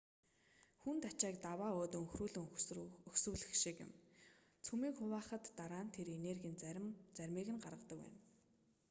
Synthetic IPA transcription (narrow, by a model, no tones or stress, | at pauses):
xunt̪at͡ɕaːk̚t̪awaːoːt̪ɵ̆ŋxruːɮɵ̆ŋɵxsuːɮɘ̆xʃikɪ̰̆m | t͡sʰumiːkχʊwaːχə̆t̪ːaɾaːnt̪ʰeɾenerɣʲint͡st͡særʲmiːɣɘ̆nɢarʁə̆t̪ə̆kwæ̰ːn